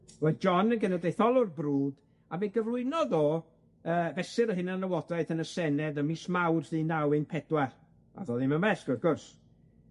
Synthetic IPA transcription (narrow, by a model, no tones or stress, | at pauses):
wɔd͡ʒɔnənɡənɛdejθɔlˠʊrbruːd | abeɡəvlˠʊɨnɔðoː | əːvɛsɪɾəɦɪnənləwɔdaɨθənəsɛnɛðəmismawrðinawɪnpʰɛdwɛr | a̰ðoːðɪmənbɛsɡ̥ʊrɡʊrs